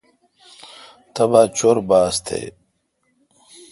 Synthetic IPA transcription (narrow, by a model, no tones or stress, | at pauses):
t̪ɐbaːt͡ɕoɾbaːst̪ʰḛː